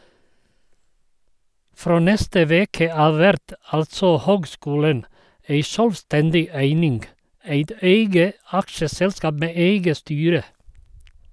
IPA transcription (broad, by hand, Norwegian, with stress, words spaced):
ˈfɾoː ˈnɛstə ˈʋeːkə ˈɑːʋ ˈʋɛɾt ˈɑltsɔ ˈhøːɡˌskuːlən ˈeɪ ˈʃœlʋˌstɛndɪ ˈæɪnɪŋɡ ˈæɪt ˈeɪɡə ˈɑkʃəˌsɛlskɑːb ˈmeː ˈeɪɡə ˈstyːɾə